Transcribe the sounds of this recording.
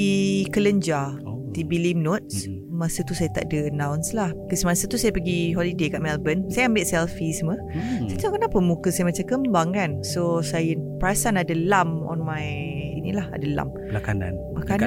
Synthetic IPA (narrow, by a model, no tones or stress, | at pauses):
ikələɲd͡ʒa | t̪ibilimnot̪̚s | mãsət̪usajət̪a̰ʔdəənãwnslahkəsəmasət̪usajəpəɡiɦolidekaʔmɛlbənsajəambɪʔsɛlfisəməsatokənapəmukəsajəmat͡ʃamkəmbaŋkansosajəpəɾasanadəlamɔ̰nmajinilaha̰dəla̰m | əlakana̰n | aka